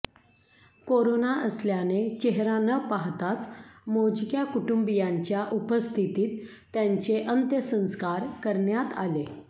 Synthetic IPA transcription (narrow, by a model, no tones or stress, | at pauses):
koɾonaʔəsljanet͡ɕeɦɾanəpaɦt̪at͡smod͡ʑkjakuʈumbijaɲt͡ɕjaʔupəst̪ʰit̪iːt̪ː | jaɲt͡seʔənt̪jəsə̃skaɾkəɾɳjat̪a̰le